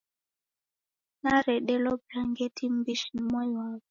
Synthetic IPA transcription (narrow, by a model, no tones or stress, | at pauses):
naɾɛɗɛlɔblaŋɡɛtʰim̩biʃinmɔjwavɔ